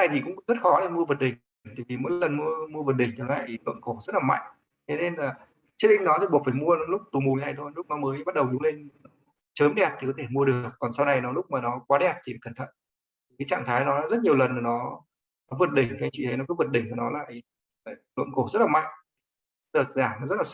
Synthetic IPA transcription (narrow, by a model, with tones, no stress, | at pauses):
aː˧˩jt̪i˨˩kʊ̰˧˥ŋ͡mzə˦˥t̚xɔ˨˦la˧˩mu˧əvə˨˩t̚ɗï˨˩ŋ˩ŋ̟t̪aː˧˨jvi˨˩mo̰˧˥jlə˨˩nmu˧əmu˧əvə˨˩ɗï˨˩ŋ̟ʰə˨˩la̰ː˧˨jlwə̰˧˨nko˧˩zə˦˥t̚laː˨˩ma̰˧˨jŋ̟ | t̪ʰe˨˦ne˧nlaː˨˩ | t͡ɕə˦˥k̚ɗi˧ŋ̟nɔ˨˦t̪i˨˩ɓu˨˩ək̚faː˧˩jmu˧ənɔ˨˦lʊ˦˥k͡p̚t̪u˨˩mu˨˩ɲə˦na˨˩jt̪ʰo˧jlʊ˦˥k͡p̚nɔ˨˦məː˨˦jɓa˦˥t̚ɗə˨˩wzʊ˨˦le˧nɔ˨˦ | t͡ɕəː˨˦mɗɛ˨˩p̪̚ʰi˨˩kɔ˨˦t̪ʰe˧˩mu˧əɗɨ˨˩ə˩k̚ːkɔ˨˩nsa˧wna˨˩jnɔ˨˦lʊ˦˥k͡p̚maː˨˩nɔ˨˦kwaː˨˦ɗɛ˨˩p̚t̪ʰi˨˩faː˨˩kə˧˩nt̪ʰə̰˧˨n˨˩ | kaː˨˦jt͡ɕa̰ː˧˨ŋt̪ʰaː˨˦jnɔ˨˦nɔ˨˦zə˦˥t̚ɲi˨˩əwlə˨˩nːaː˨˩nɔ˨˦ | nɔ˨˦və˨˩t̚ɗï˧˩ŋ̟kaː˨˦jt͡ɕwḭ˧˨t̪ʰe˨˦nɔ˨˦kɔ˨˦və˨˩t̚ɗï˧˩ŋ̟kə˨˩nɔ˨˦laː˧˨ | aː˨˩lwə̰˧˨nko˧˩zə˦˥t̚laː˨˩ma̰˧˨jŋ | ə˨˩t̚zaː˧˩mnɔ˨˦zə˦˥t̚laː˨˩s